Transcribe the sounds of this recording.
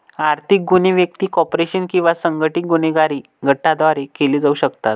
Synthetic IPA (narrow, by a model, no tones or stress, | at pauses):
aɾt̪ʰik̚ɡuniʋjəkt̪iːkɔpɾeɕənkĩw̃ʋasəŋɡʱəʈik̚ɡuneɡaɾiː | ɡʱəʈːad̪ʋaɾekeliːd͡zauɕəkt̪at̪̚